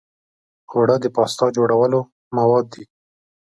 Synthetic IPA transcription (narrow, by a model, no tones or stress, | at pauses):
oɽad̪əpɑst̪ɑd͡ʒoɽawəlo | mawɑd̪ːi